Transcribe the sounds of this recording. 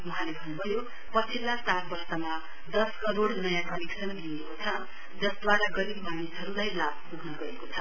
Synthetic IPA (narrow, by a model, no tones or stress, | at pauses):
wuɦãlebʱʌnːubʌjo | pʌt͡sʰilːat͡saɾbʌrsʌma | d̪ʌskʌɾoɽnʌjãkʌmiksʌnliekot͡sʰʌ | d͡zʌsd̪waɾaɡʌɾibmanisɦʌɾulajlab̚puɡnʌɡʌekot͡sʰʌ